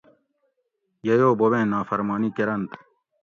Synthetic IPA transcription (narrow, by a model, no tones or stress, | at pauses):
jɐjoːboβẽːnaːfɐɾmaːnikeɾɐnt̪